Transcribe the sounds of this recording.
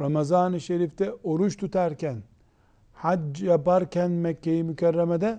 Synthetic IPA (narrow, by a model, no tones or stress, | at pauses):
ɾamazaːnɯʃeɾift̪ʰɛoɾut͡ʃt̪ʰut̪ʰaɾcæn | had͡ʒjapaɾcʰænmɛkʰːejimycʰɛrːɛmed̪ɛ